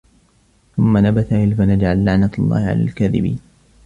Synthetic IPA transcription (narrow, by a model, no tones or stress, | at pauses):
θʊmːanabaθaʔɪlfanad͡ʒʕalːaʕnat̪alˤːɑ̰ːhɪʕa̰la̰ːlkaðɪ̰bḭːn